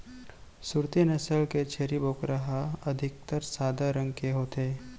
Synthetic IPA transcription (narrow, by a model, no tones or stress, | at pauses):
sʊɾt̪inɐsəlket͡ʃʰeːɾiboːkɾaɦaɐd̪ʱɪk̚t̪əɾsaːd̪ʱaɾə̃ŋɡkeɦoːt̪ʰeː